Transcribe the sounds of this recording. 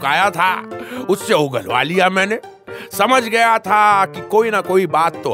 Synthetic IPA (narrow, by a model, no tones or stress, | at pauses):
kaːjat̪ʰaʊsːeɦoɡəlo̰a̰ːlijamɛ̃ːne | sɐməd͡ʒʱɡɐjat̪ʰakikoːinakoːibaːt̪ːo